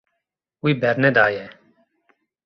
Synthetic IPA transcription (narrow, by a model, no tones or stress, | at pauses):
uiːbɛɾned̪aːjeː